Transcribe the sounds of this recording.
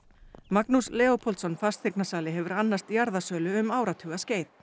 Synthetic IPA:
maknuslɛːopʰɔlt̪sɔnfast̪θeknasaːlɪɦɛvʏɾanːast̪jaɾðasœːlʏʏmaːwɾat̪ʰʏɣasceːjð

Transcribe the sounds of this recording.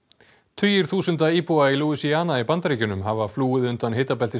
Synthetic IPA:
t̪ʰʏjɪɾ̥θuːsʏnt̪aiːpuailuːisiaːnaipant̪ɾiːcʏnʏmɦavafluːɪðʏnt̪anɦeːjt̪apɛlt̪ɪ

